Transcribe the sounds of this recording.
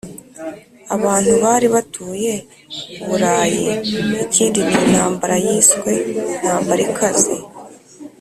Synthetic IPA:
aβaːn̥huβaːɾiβatʰuːje̞ | uβuɾaːjḛiciːndiβiinhaːmbaɾajiːskwe̞n̥haːmbaɾikʰazḭ

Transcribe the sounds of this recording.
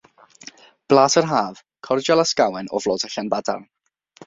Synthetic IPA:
b̥lˠaːtərɦaːv | kʰɔrd͡ʒalˠaskawɛnɔ̰vlˠɔːdəɬanbada̰r

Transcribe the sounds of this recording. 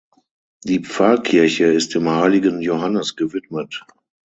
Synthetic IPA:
d̥iːpp͡faːkʰɪɐçəɪstɪmhaɪlɪɡənjohanəsɡ̥əvɪtmət

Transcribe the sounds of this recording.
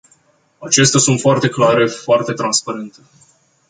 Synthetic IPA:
at͡ʃe̞s̬t̪easunt̪foart̪e̞klaɾe̞foart̪e̞t̪ɾanspaɾe̞nt̪e̞

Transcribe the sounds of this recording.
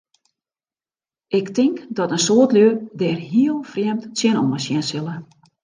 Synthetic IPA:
ʔɪktɪŋkdɔtənsoətlødɛːrɦiəlˠfrjɛmtsjɛnɔ̰məsjɛnsɪlˠə

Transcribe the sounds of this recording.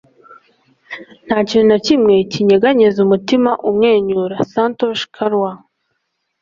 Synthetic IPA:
n̥haːcininacimŋe̞ciɲeɡaɲezumutimaʔumŋeːɲuɾasantoʃkʰaɾwa

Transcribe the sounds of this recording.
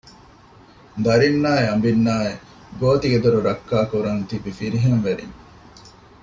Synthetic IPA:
d̪ɐɾinːaːeɐmbinːaːe | ɡoːt̪iɡed̪uɾuɾɐkːaːkuɾɐnt̪ibifiɾiɦɐnʋeɾḭɲ

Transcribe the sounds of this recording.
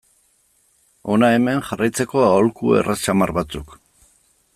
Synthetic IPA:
o̞nae̞me̞nxarajt͡se̞ko̞aolkuḛrʔat͡ʃamarβat͡suk

